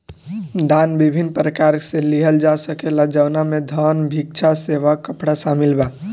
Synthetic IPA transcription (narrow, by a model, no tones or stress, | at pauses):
d̪aːnbibʱinːpɾəkaɾseliɦəld͡ʒasəkelad͡ʒəwnamed̪ʱənbʱik̚t͡ʃʰaseʋakːəpɽasamɪlbaː